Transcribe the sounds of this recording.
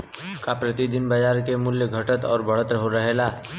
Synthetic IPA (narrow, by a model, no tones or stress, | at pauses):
kapɾɐt̪id̪ɪnbɐd͡ʒaːɾkemʊljəɡʱɐʈət̪ɔ̰ːɾbɐɽ̤ət̪ɾɦoɾəɦelaː